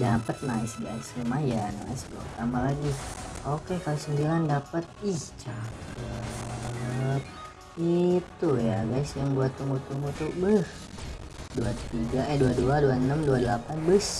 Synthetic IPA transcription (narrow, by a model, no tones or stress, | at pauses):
dapət̪̚naɪsɡa̰ɪsamajana̰ɪsba̰t̪ambalaɡiokekalisəmbilandapət̪̚iht͡ʃakə | t̪̚ | it̪ujaɡaɪsjaŋbuat̪umut̪umut̪uʔbəh | duat̪iɡaʔɛduaduaduanəmduadəlapanbəs